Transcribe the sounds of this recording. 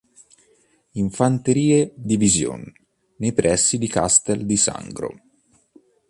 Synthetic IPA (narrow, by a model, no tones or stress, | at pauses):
iɱfant̪eɾiːed̪ivizjo̰nː | ejpɾɛsːid̪ikast̪eld̪isa̰ŋɡɾo̰